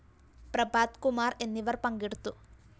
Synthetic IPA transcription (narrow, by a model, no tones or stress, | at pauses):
pɾɐbaːd̪kumaːɾenːiʋɐɾpɐŋɡiɽt̪u